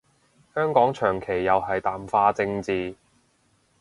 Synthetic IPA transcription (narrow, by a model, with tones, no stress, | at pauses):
hœː˥ŋkɔː˨˥ŋt͡ʃʰœː˨˩ŋkʰe˨˩jːɐ˨wɦɐ˨jt̪aː˨mfaː˧t͡sɪ˧ŋt͡siː˧